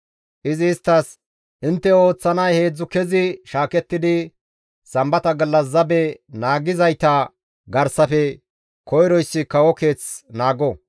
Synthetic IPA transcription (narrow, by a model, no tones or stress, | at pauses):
ʔɪzɪːst̪ːɐs | ʔɪnt̪ːɛo̞ːt͡sːɐnɐjhe̞ːd͡zːʊkɛzɪʃaːkɛt̪ːɪd̪ɪ | sɐmbɐt̪ɐɡɐlːɐs̬ːɐbɛnaːɡɪzɐjt̪ɐ | ɡɐɾsɐfɛ | kɔjɾɔjsːɪkɐwɔke̞ːt͡snaːɡɔ